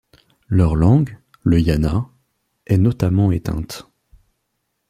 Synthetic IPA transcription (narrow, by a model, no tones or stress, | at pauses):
lœʁlɑ̃ɡ | ləjana | ɛnɔt̪amɑ̃et̪ɛ̰̃t̪